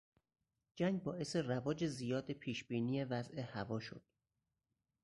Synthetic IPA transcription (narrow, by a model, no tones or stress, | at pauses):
d͡ʒæŋɡ̚bɒːʔe̞se̞rævɒːd͡ʒe̞zijɒːd̪epʰiːʃb̥iːniːjevæzʔehævɒːʃo̰d̪̥